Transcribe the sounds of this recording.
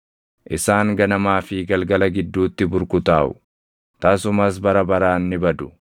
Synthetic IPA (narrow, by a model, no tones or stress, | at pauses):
ʔɪsaːŋɡɐnɐmaːfɪɡɐlɡɐlɐɡɪd̪ːuːt̪ːɪbʊɾkʊt̪aːʔʊ̰ | t̪aːsʊmɐs̬bɐɾɐbɐɾaːnːɪbɐd̪ʊ̥